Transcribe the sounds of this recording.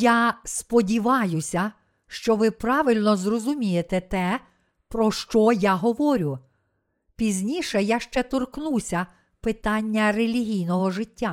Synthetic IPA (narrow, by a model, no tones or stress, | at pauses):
jaspɔdʲiʋɑjʊsʲɐ | ʃt͡ʃɔʋɪpɾɑʋʲɪlʲnɔzrɔzʊmʲijet̪ɛt̪ɛ | pɾɔʃt͡ʃɔjaɦɔʋɔɾʲʊ | pʲizʲnʲiʃɛjaʃt͡ʃɛt̪ɔrknusʲɐ | pɪt̪ɑnʲːɐrelʲiɦʲijnɔɦɔʐɪtʲːa